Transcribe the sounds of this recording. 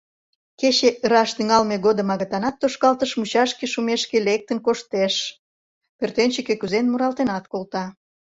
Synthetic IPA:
ket͡ɕeɾɑʃt̪yŋɑlmeɣod̪ə̆mɑɣɑt̪ɑnɑt̪ːoʃkɑlt̪əʃmut͡ɕɑʃkeʃumeʃkelek̚t̪ənkoʃt̪eʃ | pørt̪ent͡ɕekekuzenmuɾɑlt̪enɑt̪kolt̪ɑ

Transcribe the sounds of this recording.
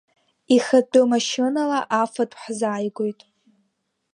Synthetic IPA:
iχadʼɨmaʃɨnalaʔafatʰʼħzaːjɡʷojtʼ

